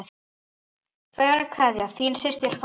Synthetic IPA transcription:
θ | kʰvɛːɾakʰvaːðjaθiːnsɪst̪ɪɾ̥f

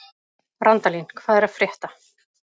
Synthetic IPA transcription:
rant̪alinkʰvaːðɛɾaðfɾjɛht̪a

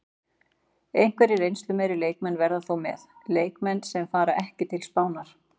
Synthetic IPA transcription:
ejŋ̥kʰvɛɾiɾejnst̪lʏmɛjɾɪleːjk̚mɛnːvɛɾðaθowmɛ̰ðleːjkmɛnːsɛmfaːɾaʔɛhcɪt̪ʰɪlspaːwnaɾ̥

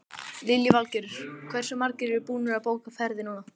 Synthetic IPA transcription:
lɪljʏvalcɪɾʏɾ̥kʰvɛr̥sʏmaɾcɪɾɪɾpuːnʏɾaðpoːwkafɛɾðɪnaːna

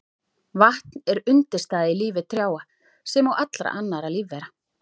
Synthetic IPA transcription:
vaht̪nɛɾʏnt̪ɪ̥st̪aːðɪiliːvɪt̪ʰɾjaːwa | sɛmawʔat̪lɾa̰ʔanːaɾaliːvːɛːɾa

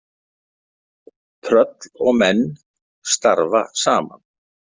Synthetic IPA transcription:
t̪ʰɾœt̪lɔɣmɛnː | st̪aɾvasaːma̰n

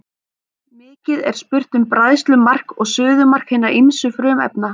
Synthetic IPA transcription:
mɪːcɪðɛ̰ɾ̥spʏr̥t̪ʏmpɾaðst̪lʏmar̥kɔɣsʏːðʏmar̥khɪjnaɾʔimsʏfɾœːmɛ̰pna

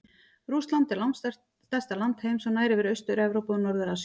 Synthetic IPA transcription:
ɾust̪lant̪ɪɾlawnst̪ɛ̥ | ɛst̪alant̪hejmsɔnaːjɾɪvɪɾœɥst̪ʏɾɛvɾowpʏnɔɾðʏɾas

